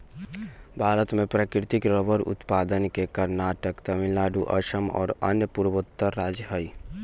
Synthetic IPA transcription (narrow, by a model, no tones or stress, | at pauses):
bʱaːɾət̪mẽpɾəkɾɪt̪ikɾəbəɾʊ̰t̪pad̪ənkekəɾnaːʈəkt̪əmilaːɖuʔə̰ʃəmɔ̰ːɾə̰njəpuɾʋot̪ːəɾːaːd͡ʒəɦəi